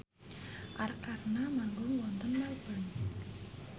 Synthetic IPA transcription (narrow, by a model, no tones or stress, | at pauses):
ʔarkarnamaŋɡʊŋwɔnt̪ɔnmalb̥ən